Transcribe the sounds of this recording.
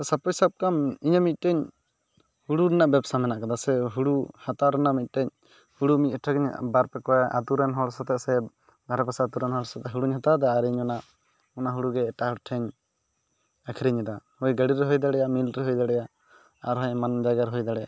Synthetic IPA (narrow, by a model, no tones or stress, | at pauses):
sapɔjsab̚kamiɲamit̪̚ˀʈɛɲ | huɽuɾɛnaʔbɛbsamɛnaʔkad̪asɛɦuɽuhat̪aɾɛnamit̪̚ˀʈɛɲ | huɽumit̪̚ˀɔʈʰaɡɛɲbaɾpɛkɔɛʔa̰t̪uɾɛnɦɔɽsɔt̪ɛʔsɛ | bʱaɾɛpasaat̪uɾɛnɦɔɽsat̪ɛɦuɽuɲɦat̪ad̪aːɾɲɔnaʔ | ɔnaɦuɽuɡɛːʈaɦɔɽʈʰɛɲ | akʰiɾiɲɛd̪ahɔjɡəɽiɾɛɦɔjd̪aɽɛjamilɾɛɦɔjd̪aɽɛja | a̰ɾɦaɲmand͡ʒaɡaɾɦɔjd̪aɽɛja̰